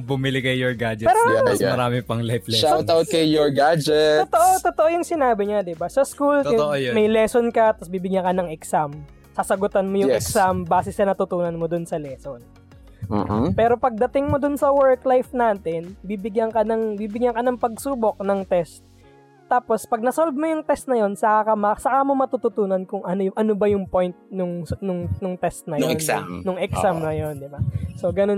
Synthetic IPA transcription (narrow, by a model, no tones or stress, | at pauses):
bʊmɪlɪkɐjːoɹɡaːd͡ʒɛpɛːɾomɐɾaːmɪpɐŋlajflɛʃaw̪awt̪kɐjjoɹɡad͡ʒɛot̪oʔot̪ot̪oʔojʊŋsɪnaːbɪɲɐd̪ɪbasɐskultʔojmɐjlɛsonkɐt̪ɐsbiːbɪɡjɐŋkɐnɐŋɛksam | saːsɐɡʊt̪ɐnmojʊɛksambaːsɛsɐnɐt̪ʊt̪uːnɐnmod̪ʊnsɐlɛːson | pɛːɾo̞pɐɡ̚d̪ɐt̪ɪŋmod̪ʊnsɐwɛɹklajfnaːt̪ɪnbibɪɡjɐŋkɐnɐŋbibɪɡjɐŋkɐnɐŋpɐɡ̚suːbo̞k̚nɐŋt̪ɛst̪̚ː | aːpo̞spɐɡ̚nɐsolbmojʊŋt̪ɛst̪̚nɐjo̞nsɐkakɐmɐsɐkamomɐt̪ut̪ʊt̪uːnɐnkʊŋʔɐnoʔɐnobɐjʊŋpo̞jnt̪̚nʊŋnʊŋnʊŋt̪ɛst̪̚nɐjonnʊŋʔɛksamnɐjo̞nd̪ɪbaso̞ɡɐno